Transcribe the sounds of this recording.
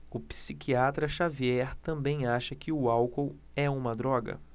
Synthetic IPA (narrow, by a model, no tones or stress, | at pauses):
ʊpi̥sikiat̪ɾɐʃaviɛɾt̪ɐ̃mbẽj̃aʃɐkɪʊawkow | ɛũmɐd̪ɾɔɡɐ̰